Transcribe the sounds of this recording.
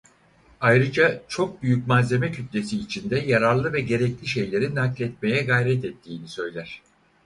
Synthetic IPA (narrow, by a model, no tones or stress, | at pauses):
ajɾɯd͡ʒat͡ʃʰo̞k̚byjyc̚mazʲe̞mɛcʰyt̪lʲe̞siːt͡ʃʰind̪ɛjaɾaɾlˠɯvɛɟe̞ɾɛclʲiʃe̞jlʲe̞ɾinːaklʲɛt̪̚me̞jɛɡajɾɛt̪ɛt̪ʰːiːnisø̞jlʲæɾ̝̥